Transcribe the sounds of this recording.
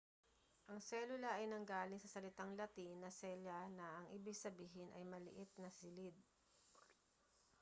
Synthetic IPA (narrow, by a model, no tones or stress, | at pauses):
ʔɐŋsɛːlʊlɐʔɐjnɐŋɡaːlɪŋsɐsɐlɪt̪aŋlɐt̪inɐsɛlɐnɐʔɐŋʔɪbɪɡsɐbiːɦɪnʔɐjmɐlɪ̰ʔɪt̪̚nɐsɪlɪd̪̚